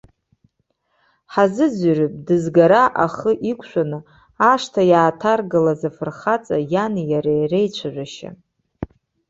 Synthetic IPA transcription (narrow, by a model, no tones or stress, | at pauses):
ħazɨd͡zrɨpʼdɨzɡaɾaʔaχəʔikʷʰʃʷanɨ | aʂtʰajaːtʰarɡɨlazafɨrχat͡sʼajanjaɾajrejt͡ɕʷʰaʒʷᶣaʃa̰